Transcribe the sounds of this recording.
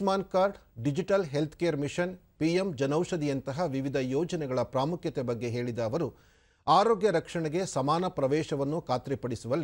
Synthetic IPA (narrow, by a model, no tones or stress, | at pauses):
maːnkaːɾɖɖid͡ʒiʈɐlɦe̞lt̪ʰkeːɐɾmiʂɐnpiemd͡ʒɐnɐwʂɐd̪ijɐnt̪ɐɦɐʋiʋid̪ʱɐjɔːd͡ʒɐnɛɡɐɭɐpɾaːmukʰjɐt̪ɛbɐɡːe̞ɦe̞ːɭid̪ɐːʋɐɾu | aːɾoːɡjɐɾɐkʂɐɳɛɡe̞sɐmaːnɐpɾɐʋɛːʃɐʋɐnːukaːt̪ɾipɐɽisuʋɐlːi